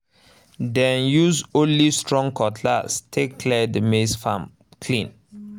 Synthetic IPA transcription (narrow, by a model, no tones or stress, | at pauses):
dɛ̃njusõnlistɹɔ̃ŋkʰɔtʰla̰stʰekʰlɛdəmesfã̰m | kʰlĩn